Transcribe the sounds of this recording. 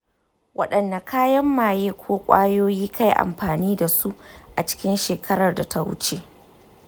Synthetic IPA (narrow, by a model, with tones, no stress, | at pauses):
wʔɐ̰˦ɗɐ˨nːa˨kaː˦jɐ˦mːaː˨jeː˦kʷʰoː˦kʷʼa̰ː˦joː˦jiː˦kʰa˦jʔa̰˨mɸaː˨niː˦da˨su˦ʔa˨t͡ʃɪ̥˦kʲɪ˦nʃeː˨kʰɐ˦ɾɐ˨rda˨tʰa˦wʊ̰˦t͡ʃeː˦